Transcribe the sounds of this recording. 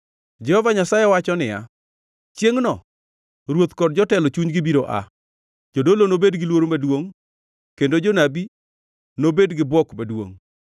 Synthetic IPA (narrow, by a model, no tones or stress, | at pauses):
d͡ʒɛhɔvaɲasajɛwat͡ʃɔnɪja̰ | t͡ʃjeŋnɔ | ɾwot̪kɔd̚d͡ʒɔtɛlɔt͡ʃuɲɡɪbiɾoʔa̰ | d͡ʒodolonobedɡɪlwoɾomadwoŋ | kendod͡ʒonabi | nobedɡɪbwɔkmadwo̰ŋ